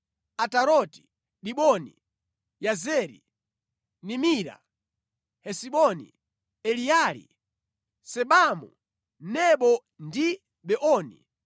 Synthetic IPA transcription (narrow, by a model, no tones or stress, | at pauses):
ataɾɔti̥ | ɗiɓɔni | jazɛɾḭ | nimiɾa̰ | hɛsiɓɔnḭ | ɛliaɾḭ | sɛɓamṵ | nɛɓɔ | ndi | ɓɛʔɔːnḭ